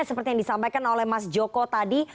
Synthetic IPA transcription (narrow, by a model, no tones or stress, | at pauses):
asəpərt̪ijaŋdisampajkanolɛhmasd͡ʒokot̪adi